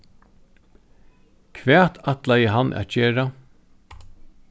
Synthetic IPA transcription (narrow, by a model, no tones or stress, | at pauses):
kʰʋɛːt̪ʰat̪lajəɦanʔæ̰ːt̪t͡ʃeːɾa